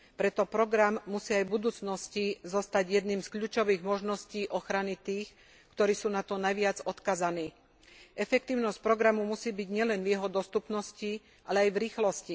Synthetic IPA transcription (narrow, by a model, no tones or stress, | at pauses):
pɾɛt̪ɔpɾɔɡɾamːusiːajbud̪uːt͡snɔscizɔst̪aɟjɛd̪niːmskʎuːt͡ʃɔʋiːɣmɔʒnɔsciːʔɔxɾanit̪iːx | kt̪ɔɾiːsuːnat̪ɔnajʋɪad͡zɔt̪kaːzaniː | ʔɛfɛk̚t̪iːʊnɔsc̚pɾɔɡɾamumusiːbiɟɲɪɛlɛnvjɛɦɔd̪ɔst̪upnɔsci | ʔalɛajvɾiːxlɔsci